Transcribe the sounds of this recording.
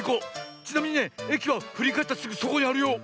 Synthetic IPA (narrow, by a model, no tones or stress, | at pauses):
kot͡ɕinamʲĩɲ̟ine̞ekʲiβaɸɯ̟ɾʲikaet̪ːat͡sɨɡɯso̞ko̞ɲ̟iaɾɯ̟jo̞ː